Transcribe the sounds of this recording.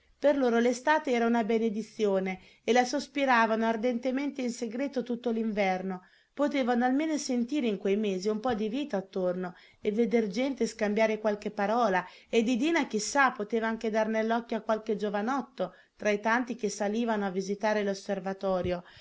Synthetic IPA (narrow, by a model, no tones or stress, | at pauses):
perloːɾolest̪aːt̪eɛːɾaunabened̪it̪sːjoːne | elasospiɾaːvanoard̪ɛnt̪ement̪einseɡɾeːt̪ot̪ut̪ːoliɱvɛrno | pot̪eːvanoalmeːnosent̪iːɾeiŋkwejmeːziumpɔd̪iviːt̪aːt̪ːorno | evːed̪erd͡ʒɛnt̪eskambjaːɾekwalkepːaɾɔːla | ed̪ːid̪iːnak̟isːapːot̪eːvaaŋk̟ed̪arnelːɔkːjoakːwalked͡ʒovanɔt̪ːo | t̪ɾait̪ant̪ik̟esːaliːvanoavːizit̪aːɾelosːervat̪ɔːɾjo